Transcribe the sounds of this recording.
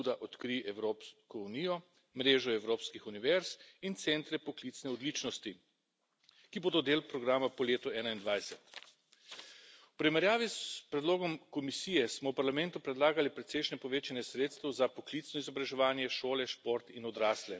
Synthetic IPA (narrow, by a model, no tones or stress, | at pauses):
ud̪aʔɔt̪kɾiʔɛwɾoːpskɔuniːjɔ | mɾeːʒɔɛwɾoːpskixuniʋɛɾsint̪sɛnt̪ɾɛpɔklit̪snɛɔd̪liːt͡ʃnɔst̪i | kiboːd̪ɔd̪eːlpɾɔɡɾaːmapɔleːt̪ɔɛːnaind̪ʋajsɛt̪ | uwpɾimɛɾjaːʋispɾɛd̪loːɡɔmkɔmisiːjɛsmɔwpaɾlamɛnt̪upɾɛd̪laːɡalipɾɛt̪sɛjʃnɛpɔʋeːt͡ʃanjɛsɾeːt̪st̪ɛwzapɔklit̪snɔizɔbɾaʒɛʋaːnjɛʃoːlɛʃpoɾt̪inɔd̪ɾaːslɛ